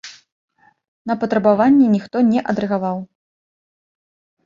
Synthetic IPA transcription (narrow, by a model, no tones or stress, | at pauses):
nɐpɐt̪ɾɐbavanʲːɛnʲixt̪ɔnʲɛʔɐd̪ɾɛɣavaw